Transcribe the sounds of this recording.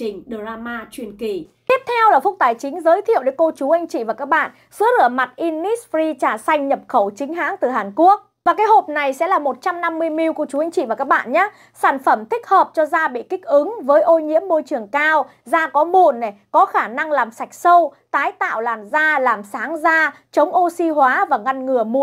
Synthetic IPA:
i˨˩ŋ̟ɗə˨˧˩zaː˧maː˧t͡ɕwi˧˩ənki˨˩ | t̪i˦˥əp̚t̪ʰɛ˧wlaː˨˩fʊ˦˥k̚t̪aː˨˩jt͡ɕï˨˦ŋ̟zəː˨˦jt̪ʰi˧˨əwɗe˨˦jko˧t͡ɕu˨˦ʔa˧jŋ̟t͡ɕḭ˧˨vaː˨˩kaː˦˥k̚ɓa̰ː˧˨n | sɨ˨˦əlɨ˧˩əma˨˩t̚ʔi˧nːi˦˥sfɾi˧t͡ɕaː˧˩sa˧jŋ̟ɲə˨˩p̚xə˧˩wt͡ɕï˨˦ŋ̟ɦaː˨˦ŋt̪ɨ˨˩ɦaː˨˩nku˦˥ək̚vaː˨˩kaː˨˦jɦo˨˩p̚na˨˩jsɛ̰˧˥laː˨˩mo˨˩t̚t͡ɕa˧mna˧mːɨ˧əjmi˧wku˧˩˧t͡ɕu˨˦a˧jŋ̟t͡ɕḭ˧˨vaː˨˩kaː˦˥k̚ɓa̰ː˧˨nɲaː˨˦ | saː˧˩nfə˧˩mt̪ʰï˦˥k̟̚həː˨˩p̚t͡ɕɔ˧zaː˧ɓḭ˧˨kï˦˥k̟̚ʔɨ˨˦ŋvəː˨˦jʔo˧jɲḭ˧˥əmːo˧jt͡ɕɨ˨˩əŋkaː˧wzaː˧kɔ˨˦mu˧˩˨nːe˨˩kɔ˨˦xaː˧˩na˧ŋlaː˨˩msa˨˩jk̟̚sə˧w | t̪aː˨˦jt̪a̰ː˧˨wlaː˨˩mzaː˧laː˨˩msaː˨˦ŋzaː˧ | t͡ɕə˨˦wŋ͡mʔo˧si˧ɦwaː˨˦vaː˨˩ŋa˧nŋɨ˨˩əmu˧˨

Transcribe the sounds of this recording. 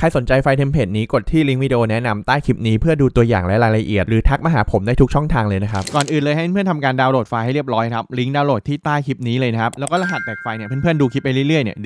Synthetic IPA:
kʰa˧jso˩˦nt͡ɕa˧jfa˧jt̪ʰe˧mpʰeː˨˩t̪̚niː˦˥ko˨˩t̪ʰːiː˥˩li˦˥ŋwi˧di˧ʔoː˧nɛ˦˥na˧mt̪aː˥˩jkʰi˦˥p̚niː˦˥pʰɯ˥˩ɐduː˧t̪u˧ɐja̰ː˨˩ŋlɛ˦˥ɾaː˧jla˧ʔi˨˩ət̪̚ɾɯː˩˦t̪ʰa˦˥k̚ma˧˩ɦaː˩˦pʰo˩˦mdaː˥˩jt̪u˦˥k̚t͡ɕʰɔ˥˩ŋt̪ʰaː˧ŋlɤː˧jna˦˥kʰa˦˥p̚kɔː˨˩nʔɯː˨˩nlɤː˧jɦa˥˩pe˧pʰɯ˥˩ənt̪ʰa˧mkaː˧ndaː˧wɾoː˨˩fa˧ja˥˩jɾi˥˩p̚ɾɔː˦˥jkʰɾa˦˥p̚li˦˥ŋdaː˧wɾo˨˩t̪ʰːiː˥˩t̪aː˥˩jkʰi˦˥p̚niː˦˥lɤː˧jna˦˥kʰa˦˥plɛ˦˥wkɔː˥˩la˦˥ɦa˨˩t̪̚bɛː˨˩k̚fa˧jni˥˩ɐpe˧˦npʰɯ˥˩ənduː˧kʰi˦˥p̚ːa˧jlɯ˥˩jɾɯ˥˩əjni˥˩ə

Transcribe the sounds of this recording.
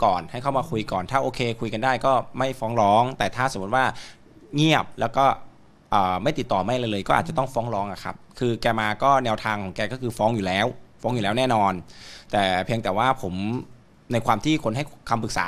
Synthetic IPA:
kɔː˨˩nha˥˩jkʰa˥˩wmaː˧kʰu˧jkɔː˨˩nt̪ʰaː˥˩ʔoː˧kʰeː˧kʰu˧jka˧ndaː˥˩jkɔː˥˩ma˥˩jfɔː˦˥ŋɾɔː˦˥ŋt̪ɛː˨˩t̪ʰaː˥˩so˩˦u˦˥t̪waː˥˩ | ŋi˥˩əp̚lɛː˦˥wkɔː˥˩ | ʔɤː˨˩ma˥˩jt̪i˨˩t̪ːɔː˨˩ma˧˥˩jlaː˧lɤː˧jkɔː˥˩ʔaː˨˩t͡ɕa˨˩t̪ɔ˥˩ŋfɔː˦˥ŋɾɔː˦˥ŋʔa˨˩kʰa̰˦˥p̚kʰɯː˧kɛː˧maː˧kɔː˥˩nɛː˧wt̪ʰaː˧ŋkʰɔː˩˦ŋkɛː˧kɔː˥˩kʰɯː˧fɔː˦˥ŋjuː˨˩lɛː˦˥wfɔː˦˥ŋju˨˩lɛː˦˥wnɛː˥˩nɔː˧nt̪ɛː˨˩pʰi˧ŋt̪ɛː˨˩waː˥˩pʰo˩˦m | na˧jkʰwaː˧mt̪ʰiː˥˩kʰo˧nɦa˥˩jkʰa˧mpɯ˨˩k̚sa̰ː˨˦

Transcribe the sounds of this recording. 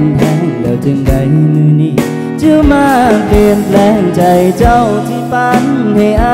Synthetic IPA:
nt̪ʰɛː˧˩ŋlɛː˧˩wt͡ɕɯ˧ŋda˧˩jm˧˩mɯː˧niː˧˩ | t͡ɕɯ˧maː˧pli˧ənpʰlɛː˧˩ŋt͡ɕa˧jt͡ɕa˧˩wt̪ʰiː˧˩pa˧nhe˧ʔaː˧˥

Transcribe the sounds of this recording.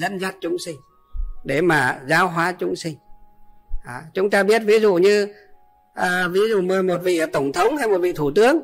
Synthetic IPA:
zə̰˧˥nzə˦˥t̚t͡ɕʊ˨˦ŋ͡msï˧ŋ̟ | ɗe˧˩maː˨˩zaː˨˦wɦwaː˨˦t͡ɕʊ˨˦ŋ͡msï˧ŋ̟ | ʔaː˨˩t͡ɕʊ˨˦ŋ͡mt̪aː˧ɓi˦˥ət̚vi˨˦zṵ˧˨ɲɨ˧ | ʔəː˨˩vi˨˦zṵ˧˨məː˨˩mo˨˩t̚vḭ˧˨t̪ə˧˩wŋ͡mt̪ʰə˨˦wŋ͡mhaː˧jmo˨˩t̚vḭ˧˨t̪ʰu˧˩t̪ɨ˨˦əŋ

